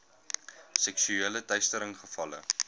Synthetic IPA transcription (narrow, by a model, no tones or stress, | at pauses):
sɛksyeːlətœɥstəɾəŋχəfɐlə̰